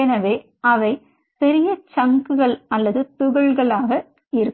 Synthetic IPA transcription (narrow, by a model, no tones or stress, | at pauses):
ɐnɐʋeː | ɐʋɐɪ | pɛɾɪjɐt͡ʃɐŋɡɯɣɐɭɐlːɐðɯt̪ʊɣɐɭɣɐɭaːɣɐ | ɪɾɯ